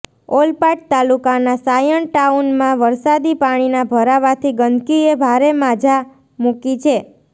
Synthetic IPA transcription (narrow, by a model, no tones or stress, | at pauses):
olpaʈ̚t̪alukanasajəɳʈaunmãʋəɾsad̪ipaɽ̃inabʱəɾaʋat̪ʰiɡənkiebʱaɾemad͡ʒʱa | mukit͡ʃʰe